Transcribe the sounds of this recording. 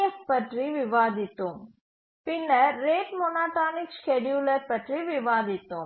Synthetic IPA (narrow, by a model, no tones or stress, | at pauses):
ɐspəʈɾiʋiʋaːd̪it̪ũ | pɪnəɾeːʈmonaːt̪aːnikskeːɖjuːləɾpəʈɾiʋiʋaːd̪it̪ũː